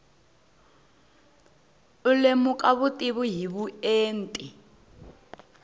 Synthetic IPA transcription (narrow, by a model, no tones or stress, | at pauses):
ulemukʼaβutʼiβuɦiβueːn̩tʼi